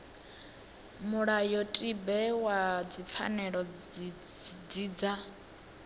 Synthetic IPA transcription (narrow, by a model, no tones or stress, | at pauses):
muɺajɔtʼibɛwad͡zip̪fʰa̰nɛɺɔ | d͡zid͡za